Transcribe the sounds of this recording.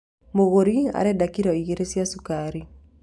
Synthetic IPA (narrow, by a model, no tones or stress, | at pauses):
moɣoɾia̰ɾɛdakiɾɔiɣeɾesjasukaɾi